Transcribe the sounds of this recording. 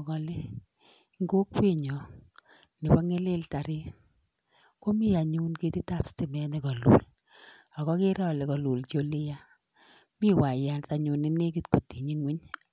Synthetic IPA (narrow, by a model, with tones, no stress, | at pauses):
kɔ˧le˦ | ŋɡo˦kpi˦ɲɔ˨ | nɪ˨pɔ˦ŋe˦lɪ˦lta˨ɾi˦ | ko˦mi˦˨ja˨ɲu˦nke˦ti˦ta˦˨psti˨mɛ˨˦nɛ˨kɔ˨lṵ˨l | ɔ˨kɔ˦ke˦ɾɔ˦le˨kɔ˨lu˨lt͡ʃo˦li˦ja˦ | mi˦wa˨ja˨nta˨ɲu˨nɪ˦ne˦ki˦tko˨ti˨ɲi˦ŋwi˦ɲ